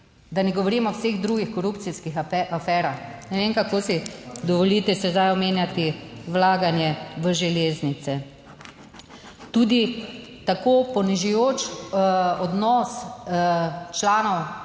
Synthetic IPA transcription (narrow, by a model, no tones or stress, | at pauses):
d̪anɛɡɔʋɔɾiːmɔwseɣd̪ɾuːɡixkɔɾuːptsiskixafɛːɾaxnɛʋeŋkakoːsid̪ɔʋɔlit̪ɛsɛzd̪ajɔmeːnjat̪iwlaːɡanjɛʋəʒɛleːznit̪sɛ | t̪uːd̪it̪akoːpɔniʒɛjoːt͡ʃ | ɔd̪nɔs | t͡ʃlaːnɔw